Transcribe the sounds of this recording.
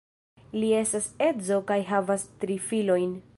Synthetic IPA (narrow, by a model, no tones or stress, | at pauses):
lie̞stase̞zo̞kajɦavastɾifilo̞jn